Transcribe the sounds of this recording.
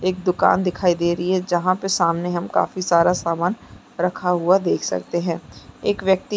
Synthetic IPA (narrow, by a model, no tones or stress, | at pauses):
eːk̚d̪ʊka̰ːnd̪ɪkʰaːid̪eːɾəɦiɦɛd͡ʒɐɦãpesaːmneɦɐmka̰ːfisaːɾasaːmaːn | ɾɐkʰaɦʊad̪eːkʰsɐ̰k̚t̪eɦɛ̃ːeːkʋjək̚t̪i